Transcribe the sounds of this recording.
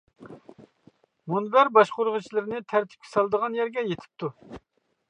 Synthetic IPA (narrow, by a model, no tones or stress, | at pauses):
munbæɾbɑʃqʊɾʁʊt͡ʃʰilˠɨɾnɪt̪ʰæɾt̪ʰɪ̥p̚kʲʰɛ̥sɑlˠd̪əʁɑnjæɾɡʲɛjet̪ʰɪ̥p̚t̪ʰu